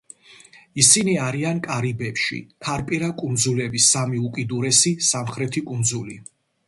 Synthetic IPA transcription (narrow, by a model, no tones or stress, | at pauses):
isiniaɾiankʼaɾibɛpʃḭtʰaɾpʼiɾakʼund̪zulɛbisːamiukʼid̪uɾɛsisamχɾɛt̪ʰikʼund̪zuli